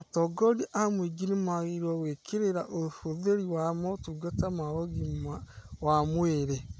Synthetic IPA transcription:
atɔɡɔdiʔamwiɡinemaɣeɾɔwekʰeɾeɾaʔofoðeɾiwamɔtuɡatamaɣɔɣimawamweɾe

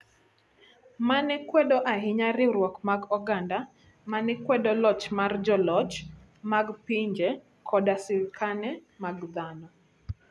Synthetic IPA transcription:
manɛkwɛdɔʔaɦɪɲaɾɪɾwɔkmaɡɔɡanda | manɛkwɛdɔlɔt͡ʃmard͡ʒɔlɔt͡ʃ | maɡpiɲd͡ʒe | kʰɔdasɪlkanɛmaɡd̪anɔ

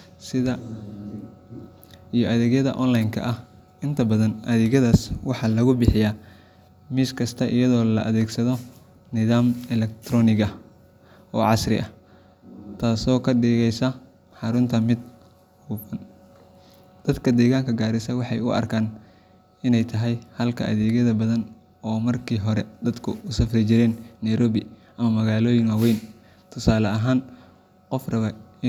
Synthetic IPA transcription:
sɪðɐ | ijɔʔɐðɛːɣjɐðɐ̰ʔɔːnlajŋkʰɐ̰ʔɐh | ɪnt̪ʰɐbɐðɐnʔɐðɛɣɐðaːswɑħɑːlɐɣʊbɪħɪjaː | miːskʰɐst̪ʰɐʔɪjɐðɔːlɐ̰ʔɐðɛːɡsɐðɔ | nɪðaːmɛlɛk̚t̪ʰɾɔːnɪɣɐ | ʔɔːʕɑsrɪ̰ʔɐ | t̪ʰaːsɔːkʰɐɖiːɣɛjsɐ | ħɑɾʊnt̪ʰɐmɪd̪ | huːfɐn | d̪̥ɐd̪kʰɐd̪ɛːɣaːŋkʰɐɡaːɾɪsɐwɑħɑjʊ̰ʔɐ̰rkʰaːn | ɪnɛjt̪ʰɐɦɛjhɐlkʰɐ̰ʔɐ̰ðɛːɣɐðɐbɐðɐn | ɔːmɐrkʰiːɦɔɾɛd̪̥ɐd̪kʰʊʊsɐfrɪt͡ʃɪɾɛːnːɐjɾɔːβɪʔɐmɐmɐɣaːlɔːjɪŋɐwɛjn | t̪ʰʊsaːlɐɐɦaːn | qɔfrɐβɐɪ

